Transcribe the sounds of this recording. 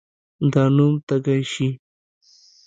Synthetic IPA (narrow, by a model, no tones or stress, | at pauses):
d̪anumt̪aɡajʃi